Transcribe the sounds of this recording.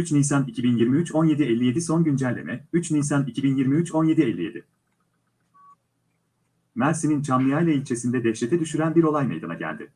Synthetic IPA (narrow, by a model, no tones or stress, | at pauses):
yt͡ʃnisanicʰibinjiɾmiyt͡ʃo̞nje̞d̪ielʲːije̞d̪iso̞nɟynd͡ʒælʲːḛɛyt͡ʃnisanicʰibinjiɾmiyt͡ʃo̞nje̞d̪ielʲːije̞̰d̪ɪ | mæɾsinint͡ʃʰamnɯjajlˠailʲt͡ʃʰe̞sind̪ɛd̪ɛʃlet̪ʰɛd̪yʃyɾænbiɾo̞lˠajmejd̪a̰naɟæ̰lʲd̪ɪ̰